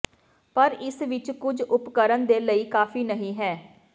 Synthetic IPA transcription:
pəɾɪsʋɪt͡ʃkʊd͡ʒʊpkəɾənd̪eːləiːkaːfiːnəɦĩːɦɛː

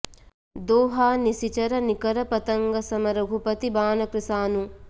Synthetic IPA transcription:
d̪oːɦaːnisit͡ʃɐɾɐnikɐɾɐpɐt̪ɐŋɡɐsɐmɐɾɐɡʱupɐt̪ibaːnɐkɾisaːnu

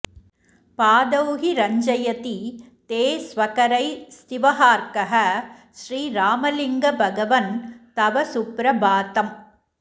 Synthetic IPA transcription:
paːd̪ɐwɦiɾɐɲd͡ʒɐjɐt̪i | t̪eːsʋɐkɐɾɐɪst̪ɪʋɐɦaːɾkɐɦɐʃɾiːɾaːmɐlɪŋɡɐbʱɐɡɐʋɐnt̪ɐʋɐsʊpɾɐbaːt̪ɐm

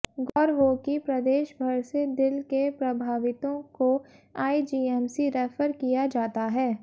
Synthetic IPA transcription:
ɡɔːɾɦoːkipɾɐd̪eːʃbʱɐɾsed̪ɪlkepɾɐbʱaːʋɪt̪õkoaːid͡ʒiːɛmsiɾɛːfəɾkijad͡ʒaːt̪aɦɛː

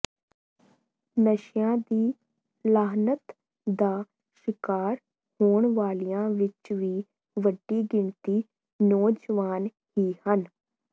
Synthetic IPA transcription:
nəʃjãːd̪iː | laːɦnət̪ | d̪aː | ʃɪkaːɾ | hoːɳʋaːlijãːʋɪt͡ʃʋiː | ʋəɖːiːɡɪɳt̪iː | nɔːd͡ʒʋaːn | hiːhən

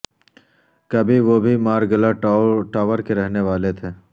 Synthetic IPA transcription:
kɐbʱiʋobʱimaːɾɡəlaʈaːʋəɾkeɾɛɦneʋaːlet̪ʰeː

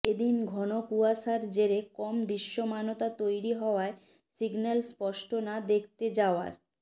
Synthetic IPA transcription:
ed̪inɡʱɔnopuaʃaɾd͡ʑeɾekɔmd̪ɾiʃːomanot̪at̪ojɾiɦɔoae | siɡnalspɔʃʈʰonad̪ek̚ʰt̪ed͡ʑaoa̰ɾ

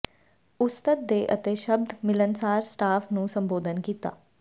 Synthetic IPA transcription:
ʊst̪ət̪̚d̪eːʔət̪eːʃəb̚d̪mɪlənsaːɾsʈaːfʰnũːsəmboːd̪ənkiːt̪a̰ː

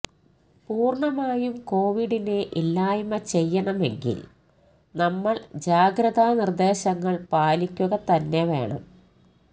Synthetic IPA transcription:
puːrɳɐmaːjumko̞ːʋiɽineʔilːaːjumɐt͡ɕe̞jːɐɳɐme̞̰ŋɡḭl | nɐmːɐɭd͡ʑaːɡɾɐðaːnird̪e̞ːɕɐŋːɐɭpaːlikʲːuɣɐt̪ɐnːe̞ʋe̞ːɳɐ̰m

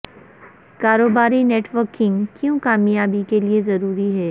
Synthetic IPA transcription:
kaːɾoːbaːɾineːʈʋəɾkɪ̃ŋɡkjũːkaːmijaːbikeliezɐɾuːɾiɦɛː

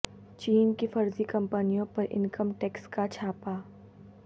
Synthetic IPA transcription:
t͡ʃiːnkefɐɾzikɐ̃mpənijõpɐɾʔɪ̰̃nkəmʈɛkskat͡ʃʰaːpaː

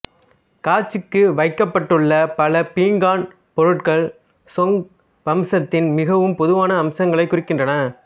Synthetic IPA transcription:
kaːɾt͡ʃːɯkːɯʋɐɪkːɐpːɐʈːɯɭːɐpɐlɐpiːŋɡaːn | pɔɾɯʈkɐɭ | sɔŋɡ | ʋɐmsɐt̪ːɪnmɪɣɐʋɯmpɔðɯʋaːnɐːmsɐŋɡɐɭɐɪkːʊrɪkːɪndrɐnɐ

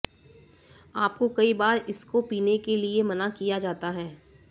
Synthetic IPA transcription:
aːpkokɐibaːɾɪskopiːnekeliemɐnakijad͡ʒaːt̪aɦɛː

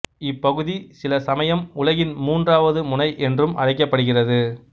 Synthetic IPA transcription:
ɪpːɐɣɯðisɪlɐsɐmɐjɐmʊlɐɣɪnmuːndraːʋɐðɯmʊnɐɪʔɛndrɯmʔɐ̰ɽɐɪk̬ːɐpːɐɽɯɣɪrɐðɯ

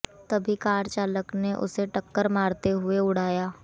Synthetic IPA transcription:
t̪ɐbʱikaːɾt͡ʃaːləkneʔʊ̰seʈɐkːəɾmaːɾt̪eɦʊeʊɽ̤aːjaː

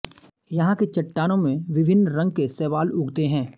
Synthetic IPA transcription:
jɐɦãket͡ʃɐʈːaːnõmẽʋɪʋʱɪnːɾɐ̃ŋɡ̚kesɛːʋaːlʊɡt̪eɦɛ̃ː

